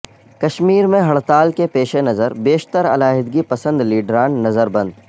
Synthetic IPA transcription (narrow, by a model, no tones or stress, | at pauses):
kɐʃmiːɾmẽɦɐɭt̪aːlkepeːʃenɐzəɾbeːʃt̪əɾɐ̰laːɦɪd̪ɡipɐsə̃nd̪liːɖɾaːnːɐzəɾbɐ̃nd̪